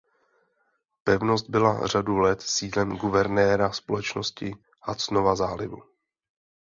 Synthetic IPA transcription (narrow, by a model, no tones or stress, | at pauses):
pɛvno̞st̪̚bɪla̰r̝adulɛt̪siːlɛmɡuvɛɾnɛːɾaspolɛt͡ʃno̞scɪ | hat͡sno̞vazaːlɪvṵ